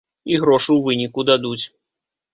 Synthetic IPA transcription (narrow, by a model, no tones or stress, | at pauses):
iɣɾɔʂuwvɨnʲikud̪ad̪ut͡sʲ